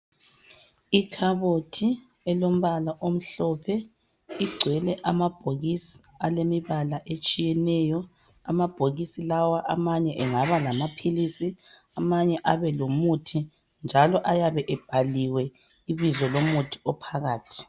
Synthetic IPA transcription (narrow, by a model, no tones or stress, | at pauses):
itʰaβotʰi | ɛlom̩βalaʔom̩ɬɔpʰɛ | iɡ͡ǀʱwɛlɛʔamab̥ʱoɣisi̥ | alemiβalaʔet͡ʃʼijɛnɛjɔ | amab̥ʱoɣisilawaʔamaɲɛʔɛŋaβalamapʰilisi | amaɲɛʔaβɛlomutʰi | nd͡ʒʱalɔʔajaβɛʔɛb̥ʱaliwɛ | iβizɔlomutʰi̥ɔpʰaɣaːtʰi̥